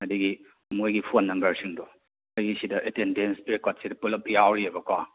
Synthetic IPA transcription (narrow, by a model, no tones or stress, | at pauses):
ŋɐdiɡi | mojɡipʰonːɐmbɐɾsiŋdɔ | ɐjɡisidɐʔetendenspekat̚sidɐpulɐp̚jawɾiebɐkwa